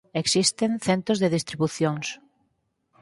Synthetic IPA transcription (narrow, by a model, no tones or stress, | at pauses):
eksist̪eŋθent̪ɾozðeð̞ist̪ɾiβuθjoŋs